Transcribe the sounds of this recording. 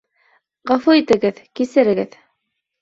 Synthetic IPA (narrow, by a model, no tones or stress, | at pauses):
ʁɑfuit̪ɘ̆ɡɘðkisɘ̆ɾɘ̆ɡɘð